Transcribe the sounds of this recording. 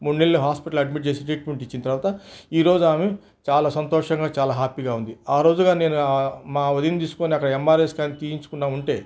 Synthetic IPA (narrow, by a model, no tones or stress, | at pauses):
muɳneɭɐlɐɦaːspiʈɐlɐɖmiʈ̚t͡ʃe̞ːsiʈɾiːʈ̚meɳʈit͡ʃːinit̪ɐɾʋaːt̪ɐiːɾo̞ːd͡ʒuaːme | t͡ʃaːlaːsɐnt̪ɔːʂɐŋɡaːt͡ʃaːlaːɦaːpiːɡaːund̪iaːɾo̞ːd͡ʒuɡaːne̞ːnumaːʋɐd̪init̪iːsu̥ko̞ːniɐkːɐɽɐemːaːɾeːskaːnit̪iːiɲt͡ʃu̥kunːaːuɳʈe̞ː